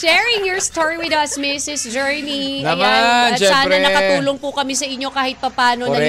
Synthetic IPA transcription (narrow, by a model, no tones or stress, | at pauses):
ʃɛɹɪŋjɔɹst̪oɹiwɪd̪ɐsmɪsɪsd͡ʒɛɹniɐjasaːɐnɐtkɐt̪uːloŋpʊkɐmɛsɐʔɪɲːo̞kaːhɪt̪̚pɐpaːno̞nɐ